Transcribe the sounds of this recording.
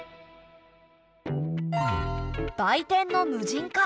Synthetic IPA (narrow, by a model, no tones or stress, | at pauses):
d̪̥ait̪ẽ̞nːo̞nɯ̟ʑĩŋka